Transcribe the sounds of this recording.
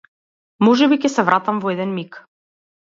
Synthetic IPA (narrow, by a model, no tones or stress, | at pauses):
mɔʒɛbikɛsɛvɾʔat̪amvɔɛd̪ɛnmik